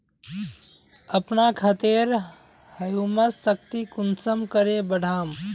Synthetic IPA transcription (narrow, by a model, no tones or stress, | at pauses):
əpnakʰət̪eɾ | həjuməsːək̚t̪ikunsəmkəɾebəɽ̤ʱaːm